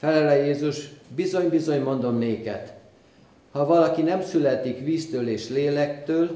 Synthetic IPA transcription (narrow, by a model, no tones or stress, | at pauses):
fɛlɛlɛjeːzuʒbizo̞ɲbizo̞ɲmo̞nd̪o̞mneːkɛ̰t̪ | hɒvɒlɒkinɛmsylɛt̪ikʋiːst̪øːleːʃleːlɛkt̪øːl